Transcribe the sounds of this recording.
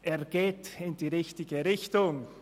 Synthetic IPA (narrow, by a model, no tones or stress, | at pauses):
ʔeːɐɡ̥eːtɪnd̥iːʁɪçtɪɡəʁɪçtʊŋ